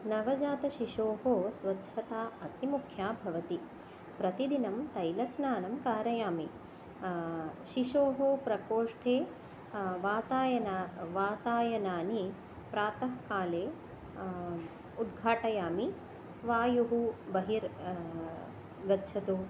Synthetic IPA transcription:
nɐʋɐd͡ʒaːt̪ɐʃiʃoːɦoːsʋɐd̪d͡ʒʰɐt̪aːɐt̪ʰimukʰjaːbʱɐʋɐt̪i | pɾɐt̪id̪inɐmt̪ɐjlɐsnaːnɐmkaːɾɐjaːmi | ʃiʃoːɦopɾɐkoːʂʈʰeː | ʋaːt̪aːjɐnaʋaːt̪aːjɐnaːni | pɾaːt̪ɐɦkaːleː | ud̪ɡʱaːʈɐjaːmi | ʋaːjuɦubɐɦiɾ | ɡɐdʃʰɐt̪uː

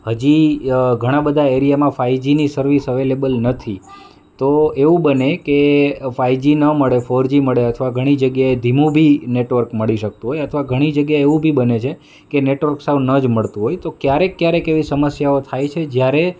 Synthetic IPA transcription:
həd͡ʒiɡʱəɽ̃ãbəd̪ʱaeɾijamãfaid͡ʒinisəɾʋisəʋelebəlnət̪ʰi | t̪oeʋũbənekefajd͡ʒinəməɭefoɾd͡ʒiməɭeət̪ʰəʋaɡʱəɽ̃id͡ʒəɡjaed̪ʱimũbʱineʈʋəɾkməɭiʃək̚t̪ũɦojət̪ʰʋaɡʱəɽ̃id͡ʒəɡjaeeʋũbʱibənet͡ʃʰe | keneʈʋəɾksəwnəd͡ʒməɭt̪ũɦojt̪okjaɾekːjaɾekeʋisəməsjaot̪ʰajt͡ʃʰed͡ʒjaɾe

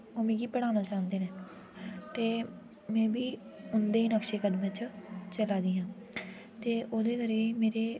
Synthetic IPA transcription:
oːmĩːɡiːpəɽ̃aːnaːt͡ʃaːnd̪eːnɛː | t̪eː | mɛ̃ːbiː | ʊnd̪eːiːnəkʃeːkəd̪mət͡ʃt͡ʃəlaːd̪iːɦãː | t̪eːʔoːd̪eːkəɾeːiːmeːɾeː

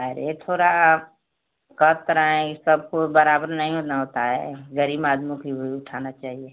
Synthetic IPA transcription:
əɾḛt̪ʰoːɾa | kɐt̪ɾaɛ̃kisɐb̚kobɐɾaːbəɾnɐɦĩɦoːnaɦoːt̪aɦɛ̰ɡəɾiːbaːd̪mõkiɦoiʊʈʰaːnat͡ʃaːɦieː

